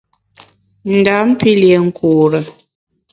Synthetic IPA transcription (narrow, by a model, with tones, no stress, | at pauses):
n̩˨da˨˦m̩˦pi˦ljɛ˨ŋ̩˦kʰu˨ɾə˨